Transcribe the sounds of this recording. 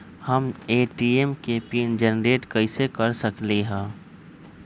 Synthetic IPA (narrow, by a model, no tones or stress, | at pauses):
hɐmeːʈiːemkepiːnd͡ʒənɾeːʈkɐɪsekɐɾsɐkleɦɛ̃ː